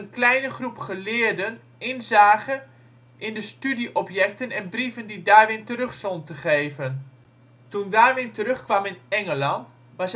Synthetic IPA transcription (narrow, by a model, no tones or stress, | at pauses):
ənklɛjnəχrupχəlɪːəɹdən | ɪnzaːɣə | ʔɪndəstydiʔɔpjɛk̚tənɛnbrivəndidaːɹʋɪntərøχsɔntəχejvən | tundaːrʋɪntəɾøχkʋɑmɪnɛŋəlɑnt | ʋɑs